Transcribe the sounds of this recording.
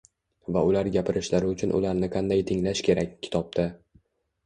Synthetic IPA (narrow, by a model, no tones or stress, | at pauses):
vaʊlaɾɡʲapʰɪɾʔɪʃlaɾɪʊt͡ʃʰʊnʔʊ̰laɾnɪqʰɑnd̪ajt̪ʰɪŋlaʃkʲʰe̞ɾakʲʰːɪ̥t̪ʰɒp̚t̪ʰa